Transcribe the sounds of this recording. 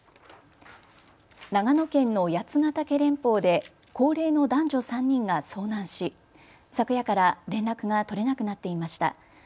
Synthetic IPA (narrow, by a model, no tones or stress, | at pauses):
naŋano̞kẽ̞nːo̞jat͡sɨŋat̪ake̞ɾẽ̞mpo̞ːd̪e̞ | ko̞ːɾe̞ːno̞d̪ãɲ̟d͡ʑo̞sãɲ̟ːĩŋɡaso̞ːnãɰ̃ɕi | sakɯ̟jakaɾaɾẽ̞nɾakɯ̟ɡat̪o̞ɾe̞nakɯ̟nat̪ːe̞imaɕi̥t̪a̰